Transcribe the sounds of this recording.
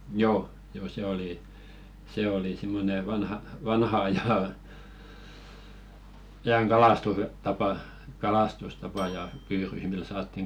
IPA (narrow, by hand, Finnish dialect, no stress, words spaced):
joː joː se oli se oli simːone ʋɑnhɑ ʋɑnhɑ ɑjɑ ɑjɑŋ kɑlɑstustɑpɑ kɑlɑstustɑpɑ jɑ pyːryh mil sɑːtːiŋ